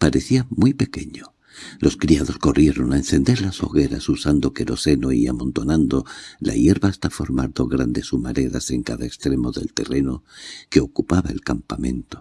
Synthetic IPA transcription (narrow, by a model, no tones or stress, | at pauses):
paɾe̞θiamujpe̞ke̞ɲo̞ | lo̞skɾiaðo̞sko̞rʔje̞ɾo̞naenθe̞nd̪e̞ɾlaso̞̰ɣe̞ɾa̰susand̪o̞ke̞ɾo̞se̞no̞iamõ̞nt̪o̞nand̪o̞la̰je̞ɾβaːst̪afo̞ɾmaɾðo̞ɣɾand̪e̞sumaɾe̞ðase̞ŋkaðaekst̪ɾe̞mo̞ðe̞̰lt̪e̞re̞no̞ke̞o̞kupaβae̞lkampamẽ̞nt̪o̞̥